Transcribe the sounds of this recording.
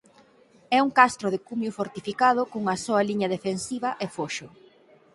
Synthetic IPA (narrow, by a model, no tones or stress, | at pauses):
ɛuŋkast̪ɾoðɪkumjufoɾt̪ifikað̞ʊkoŋɐsoɐliɲɐðefensiβɐʔefoʃʊ